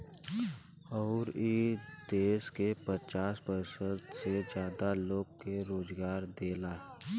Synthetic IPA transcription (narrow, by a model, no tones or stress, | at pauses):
ɔːɾid̪eːʃkepət͡ʃaːsbəɾsəd̪sed͡ʒjaːd̪aloːɡkeɾoːzɡaːɾd̪eːlaː